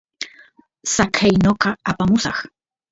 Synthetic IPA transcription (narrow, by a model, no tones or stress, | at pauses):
sakʰajnoqɑapamʊsɑ̰χ